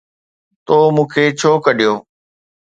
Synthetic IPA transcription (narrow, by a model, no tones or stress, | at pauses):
t̪oːmũːkʰeːt͡ɕʰoːkəɗɪjoː